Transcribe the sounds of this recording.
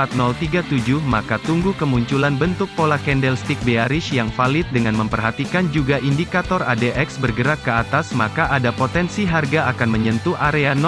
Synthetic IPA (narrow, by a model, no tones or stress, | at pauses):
at̪̚nɔlt̪iɡat̪ud͡ʒuhmakat̪uŋɡukəmuɲt͡ʃulanbənt̪ʊk̚polakɛndɛlst̪ik̚beaɾɪʃjaŋfalɪt̪̚dəŋanməmpərɦat̪ikand͡ʒuɡaʔindikat̪ɔradeʔɛksbərɡəɾakːəat̪asmakaʔadapot̪ɛnsiɦarɡaakanməɲənt̪uʔaɾean